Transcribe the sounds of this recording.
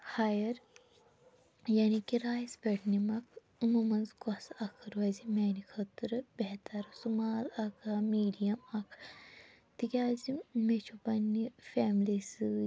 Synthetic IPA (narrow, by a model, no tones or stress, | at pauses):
hajɐɾ | janikiɾaːjspeʈnimɐkʰ | ɨmuːmɐnzkɔsɐkʰɨɾʋɐzimeːnikʰɐt̪ɨɾɨbɛɦt̪ɐɾsumaːlɐkʰamiːɖijɐmɐkʰ | t̪ikʲaːzimet͡ʃʰubɐnːifeːmlisɨ